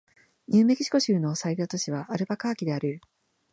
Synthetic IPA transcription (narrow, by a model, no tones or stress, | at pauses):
ɲɨːme̞kʲi̥ɕi̥ko̞ɕɨːno̞said̪at̪o̞ɕiβaʔːɾɯ̟bakaːkʲid̪e̞aɾɯ̟